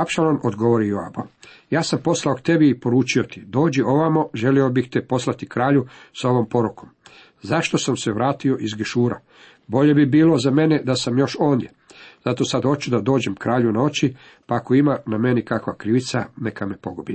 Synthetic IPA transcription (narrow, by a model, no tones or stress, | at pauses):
apʃalˠonod̪ɡo̞ʋoɾijoa̰bajaːsampo̞slˠaokt̪e̞biːpo̞ɾuːt͡ʃio̞t̪id̪o̞ːd͡ʑio̞ʋamoʒe̞lio̞bixt̪ɛpo̞slat̪ikɾaːʎusao̞ʋo̞mpo̞ɾuko̞m | zaʃt̪o̞samseʋɾaːt̪io̞ʔizɡeʃuːɾa̰ | bo̞ʎe̞bibiːlo̞zame̞ned̪asamjo̞ʃo̞ːnd̪je̞ | z̥at̪o̞sad̪o̞t͡ʃud̪ad̪o̞ːd͡ʑe̞mkɾaːʎunao̞t͡ʃi | pako̞imaname̞nikakʋakɾiʋit̪sane̞kamepo̞ɡobi